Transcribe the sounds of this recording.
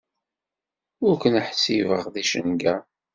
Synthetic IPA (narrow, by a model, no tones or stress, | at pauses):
ʊɾkənəħsivəʁðiʃə̰nɡæ